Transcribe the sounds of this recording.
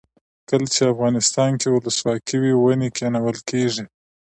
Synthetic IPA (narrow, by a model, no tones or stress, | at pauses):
kəlt͡ʃeafɣɑnɪst̪ɑnkewʊləswɑkiwiwanekenawəlkeʐi